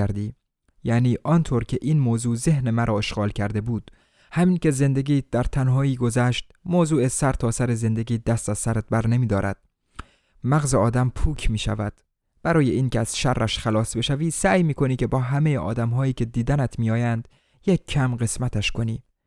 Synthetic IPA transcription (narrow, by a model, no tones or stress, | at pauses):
æɾd̪iː | jæːniːʔɒːnt̪ʰoɾcʰe̞ʔiːnmoːzuːze̞hne̞mæɾʔɒːeʃɡɒːlcʰæɾd̪e̞buːd̪̥ | hæmiːncʲe̞ze̞nd̪e̞ɡiːd̪æɾt̪ʰænɦɒːiːɡo̞zæːʃt̪̚ | moːzuːesæɾt̪ʰɒːsæɾeze̞nd̪e̞ɡʲiːd̪æst̪æzsæɾæt̪̚bæɾne̞miːd̪ɒːɾʔæ̰d̪̥̚ | mæɣzeɒːd̪æmpʰuːcʰmiːʃæ̰væd̪̥ | b̥æɾɒːje̞ʔiːnceæz̥ʃærːʔæʃxælɒːsbe̞ʃæviːsæːjmiːkʰo̞niːce̞bɒːɦæmejeʔɒ̰ːd̪æmɦɒːiːcʰʲe̞d̪iːd̪ænæt̪ʰmijɒːjænd̪̥ | jekʰːæmɢe̞smæt̪ʰæʃko̞niː